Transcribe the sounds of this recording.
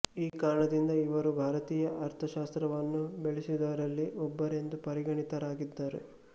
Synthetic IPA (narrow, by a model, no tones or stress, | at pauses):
iːkaːɾɐɳɐd̪ind̪ɐiʋɐɾubʱaːɾɐt̪iːjɐʔɐɾt̪ʰɐʃaːst̪ɾɐʋɐnːubeɭisid̪ɐʋɐɾɐlːiʔɔbːɐɾe̞nd̪upɐɾiɡɐɳit̪ɐɾaːɡid̪ːaɾḛ